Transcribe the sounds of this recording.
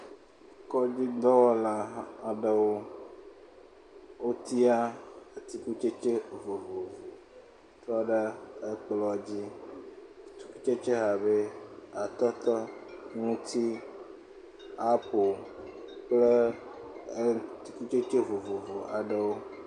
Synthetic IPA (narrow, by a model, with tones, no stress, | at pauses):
kɔ˦d͡ʑi˦d̪ɔ˦wɔ˦la˦a˨ɖe˦wo˦ | wo˦t̪ʰi˦a˦e˨t̪i˨ku˦t͡ʃe˦t͡ʃe˦vo˨vo˨vo˨ | t̪ɔ˦ɖe˦e˦k͡plɔ˨d͡ʑi˦˨˦ | t̪i̥˦ku˦t͡ʃe˦t͡ʃe˦ɦa˨βe˦a˨t̪ɔ˦t̪ɔ˦ŋũ˦t̪ʰi˦ | a˨po˨ | k͡ple˦ | t̪i˨ku˦t͡ʃe˦t͡ʃe˦vo˨vo˨vo˨a˨ɖe˦wo˦